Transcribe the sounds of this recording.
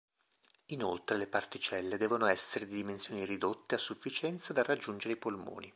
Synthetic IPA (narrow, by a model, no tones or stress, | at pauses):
inolt̪ɾelepart̪it͡ʃɛlːed̪ɛːvonoɛsːeɾed̪id̪imensjoːnirid̪ot̪ːeasːufːit͡ʃɛnt̪sad̪arːad͡ʒːund͡ʒeɾeipolmo̰ːni